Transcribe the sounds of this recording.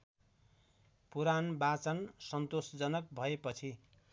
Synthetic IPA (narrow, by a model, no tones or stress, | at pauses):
puɾanbat͡sʌnsʌnt̪osd͡zʌnʌk̚bʱʌepʌt͡sʰi